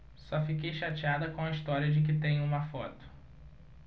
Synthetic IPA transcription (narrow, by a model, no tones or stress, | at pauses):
sɔfikejʃat͡ʃiad̪ɐkõw̃ɐist̪ɔɾiɐd͡ʒɪk̬ɪt̪ẽj̃ũmɐfɔt̪ʊ̥